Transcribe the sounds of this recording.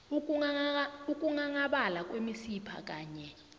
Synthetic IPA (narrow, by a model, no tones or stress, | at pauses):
uuauk̬ʼuŋaŋaɓalak̬ʼwemisipʰa̰k̬ʼaːɲɛ